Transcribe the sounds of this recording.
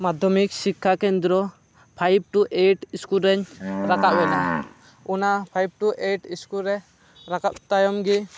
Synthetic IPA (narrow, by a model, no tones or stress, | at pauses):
mad̪ʱɔmik̚sikʰːakɛnd̪ɾɔ | pʰajb̚ʈuʔeʈiskulɾɛɲɾakaʔ̚wɛna | unapʰajb̚ʈuʔeʈiskulɾɛ | ɾakaʔt̪ajɔmɡi